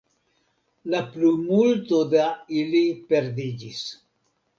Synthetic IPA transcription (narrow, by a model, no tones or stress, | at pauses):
laplumult̪od̪ailipeɾd̪id͡ʒis